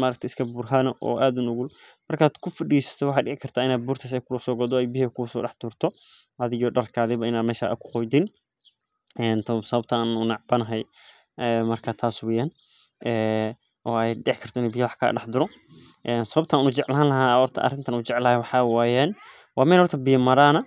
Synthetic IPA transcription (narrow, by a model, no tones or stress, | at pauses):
maːɾɐk̚t̪ʰɛɪskʰɐbuːrɦanɔʔɔ̰ːʔaːd̪ʊnʊɣʊlmɐrkʰaːd̪kʰʊfɐɖiːsɐ̥t̪ʰɔwɑħɑːɖɪʕɪkʰɐrt̪ʰaːɪnaːd̪̚buːrt̪ʰɐs̬ɛjkʰʊlɐsɔːɡɔd̪ɔɛjbɪɦɛkʊsɔːɖɑħd̪̥ʊːrt̪ʰɔ | ʔɐðɪɣɔːɖɐrkʰaːðɛβɐɪnaːd̪mɛːʃa̰ʔɐ̰kʰʊ̥qɔjd̪ɪn | ɛnt̪ʰɔsɐβɐb̚t̪ʰɐanunɑʕbɐnɐɦɛj | ɛːmɐrkʰat̪ʰaːswɛjaːn | ʔɛː | ʔɔːɛjɖɛʕɪkʰɐr̥t̪ʰɔɪnubɪjɐwɑħkʰa̰ːɖɑħd̪ʊɾɔ | ʔɛːnsɐβɐbt̪ʰɐaːnut͡ʃɛʕlɦaːnlɐɦaːhɔrt̪ʰɐ̰ʔɐ̰rɪnt̪ʰɐnuːt͡ʃɛʕlaːhɛwɑħɑwaːjaːn | wɑːmɛːlhɔrt̪ʰɐbɪjɐmɐɾaːnɐ